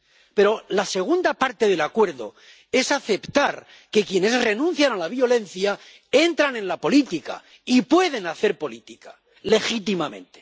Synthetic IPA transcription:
pe̞ɾo̞lase̞ɣ̞und̪apaɾt̪e̞ðe̞lakwe̞ɾðo̰ | e̞saθe̞pt̪aɾ | ke̞kje̞ne̞zre̞nũn̟θjanalaβ̞jo̞le̞nθja | e̞nt̪ɾane̞nlapo̞lit̪ika̰ | ipwe̞ðe̞naθe̞ɾpo̞lit̪ika | le̞xit̪imamẽ̞̰nt̪e

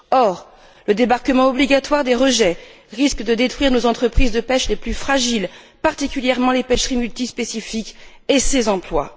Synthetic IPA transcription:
ɔʁ | ləd̪ebaʁkəmɑ̃ɔbliɡat̪waʁd̪eʁəʒɛ | ʁiskd̪əd̪et̪χɥiʁnozɑ̃t̪χəpχizd̪əpɛʃleplyfχaʒil | paʁt̪ikʲyljɛʁmɑ̃lepɛʃʁimylt̪ispesifikʲesezɑ̃plwa̰

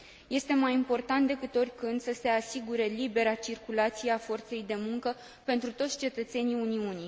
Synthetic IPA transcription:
je̞st̪e̞majimpo̞rt̪ant̪d̪e̞kɨt̪o̞rʲkɨnd̪səse̞asiɡuɾe̞libe̞ɾat͡ʃirkulat̪sijeafo̞rt̪se̞jd̪e̞muŋkə | pe̞nt̪ɾut̪o̞t̪sʲt͡ʃe̞t̪ət̪se̞niuniuni

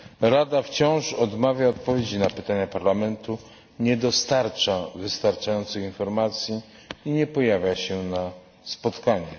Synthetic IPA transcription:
ɾad̪aft͡ɕɔ̃w̃ʂɔd̪mavʲjaɔt̪̚pɔvʲjed͡ʑinapɘt̪aɲapaɾlamɛnt̪u | ɲɛd̪ɔst̪aɾt͡ʂavɘst̪aɾt͡ʂajɔnt̪sɘxinfɔɾmat̪sʲji | iɲɛpɔjavʲjaɕɛna | spɔt̪kaɲɛ

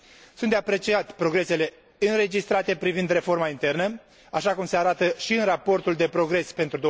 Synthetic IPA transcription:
sunt̪d̪eapɾe̞t͡ʃiat̪pɾo̞ɡɾe̞se̞le̞ | ɨnre̞d͡ʒist̪ɾat̪e̞pɾivind̪re̞fo̞rmaint̪e̞rnə | aʃakumse̞aɾat̪əʃiɨnrapo̞rt̪uld̪e̞pɾo̞ɡɾe̞spe̞nt̪ɾud̪o

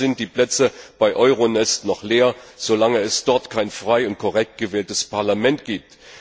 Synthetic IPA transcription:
ɪnt̚d̥iːpl̥ɛt͡səb̥aɪʔɔʏʁonɛstnɔχleːɐz̥olaŋəɛsd̥ɔɐtkʰaɪnfʁ̥aɪʊnt̚kʰɔʁɛk̚t̚ɡ̥əvɛːltəspʰaɐlamɛntɡ̥iːp̚t

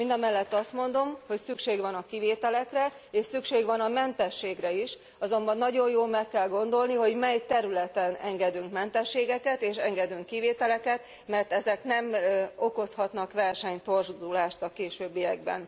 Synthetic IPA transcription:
mind̪ɒmɛlːɛt̪ːɒst̪mo̞nd̪o̞mho̞csykʃeːɡʋɒnɒkiveːt̪ɛlɛkrɛ | eːʃsykʃeːɡʋɒnɒmɛnt̪ɛʃːeːɡrɛiʃ | ɒzo̞mbɒnːɒɟo̞jjoːlmɛkːɛlɡo̞nd̪o̞lniɦo̞ɟmɛjt̪ɛɾylɛt̪ɛnɛŋɡɛd̪yŋkmɛnt̪ɛʃːeːɡɛkɛt̪eːʃɛŋɡɛd̪yŋkːiveːt̪ɛlɛkɛt̪ | mɛrt̪ɛzɛknɛmo̞ko̞shɒt̪nɒkʋɛrʃɛɲt̪o̞rzd̪ulaːʃt̪ɒkeːʃøːbːijɛɡ̚bɛ̰n

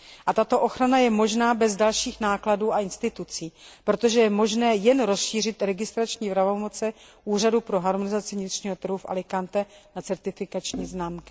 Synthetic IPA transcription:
ʔat̪at̪o̞ʔo̞xɾanajɛmo̞ʒnaːbɛzdalʃiːxnaːkladuːaɪnst̪ɪt̪ut͡siːpɾo̞t̪o̞ʒɛjɛmo̞ʒnɛːjɛnɾo̞sʃiːr̝ɪt̪ɾɛɡɪst̪ɾat͡ʃɲiːvɾavo̞mo̞t͡sɛʔuːr̝adupɾo̞ɦaɾmonɪzat͡sɪvɲɪt̪r̝̥ɲiːɦo̞t̪ɾ̩ɦufʔa̰lɪkant̪ɛnat͡sɛɾt̪ɪfɪkat͡ʃɲiːznaːmkɪ̥

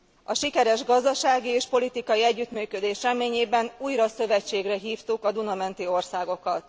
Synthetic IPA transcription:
ɒʃikɛɾɛʒɡɒzd̪ɒʃaːɡieːʃpo̞lit̪ikɒjiɛɟːyt̪myːkød̪eːʃrɛmeːɲeːbɛnuːjɾɒsø̞vɛt͡ʃːeːɡrɛɦiːft̪ukɒd̪unɒmɛnt̪io̞rsaːɡo̞kɒt̪

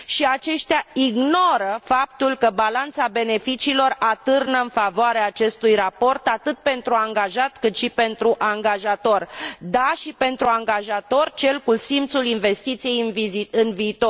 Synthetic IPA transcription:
ʃiat͡ʃe̞ʃt̪eaiɡno̞ɾəfap̚t̪ulkəbalant̪sabe̞ne̞fit͡ʃiːlo̞rat̪ɨrnəɨnfavoaɾeaːt͡ʃe̞st̪ujrapo̞rt̪at̪ɨt̪̚pe̞nt̪ɾuaŋɡaʒat̪kɨt̪ʃipe̞nt̪ɾuʔaŋɡaʒat̪o̞rd̪aʃipe̞nt̪ɾuaŋɡaʒat̪o̞rt͡ʃe̞lkusimt̪sulinve̞st̪it̪sije̞jɨnviziɨnviːt̪o

